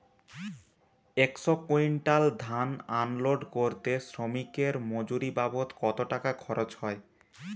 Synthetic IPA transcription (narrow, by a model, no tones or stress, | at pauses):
eksokoinʈald̪ʱananloɖkoɾt̪esɾomikeɾmod͡ʑuɾibabot̪kɔt̪oʈakakʰɔɾot͡ɕhɔe